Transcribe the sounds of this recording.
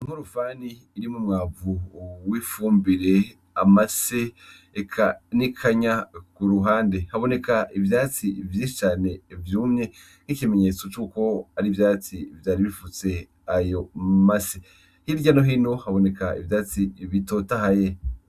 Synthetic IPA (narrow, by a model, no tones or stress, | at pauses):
ŋ̥huɾufaːniːɾimumŋaːuwifuːmbiɾe̞ | amaseː | kʰanikʰaɲakuɾuɦaːnde̞haβo̞ne̞kaʔivjat͡sivjiːʃi̥t͡ʃaːne̞vjuːmɲe̞ | n̥ikimeɲe̞t͡so̞t͡ʃuːko̞aɾivjaːt͡sivjaːɾiβifut͡se̞ | ajo̞mase | hiːɾɟano̞ɦinohaβo̞ne̞kaḭvjaːt͡siβito̞tahaje